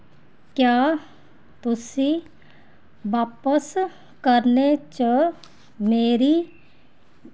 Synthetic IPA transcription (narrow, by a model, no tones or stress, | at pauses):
kjaː | t̪ʊsi | ʋaːpəs | kəɾnet͡ʃə | meːɾi